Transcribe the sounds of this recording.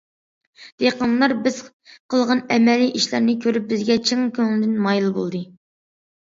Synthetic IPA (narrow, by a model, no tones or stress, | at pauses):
d̪̥eqənlˠɑɾbɪz̥ | qʰəlˠʁɑnɛmɛlːijʔiʃlæɾnɪkʲʰøɾyp̚bɪzɡʲɛt͡ʃʰiŋkʲʰøŋlɪd̪ɪnmɑjlˠbo̰lˠd̪ɨ